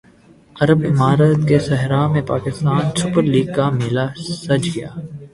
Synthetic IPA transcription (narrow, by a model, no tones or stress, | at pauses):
ɐɾəbɪmaːɾət̪kesɐɦɾamẽpaːkɪst̪aːnsʊpəɾliːɡ̚kamɪlasɐd͡ʒɡɐja̰ː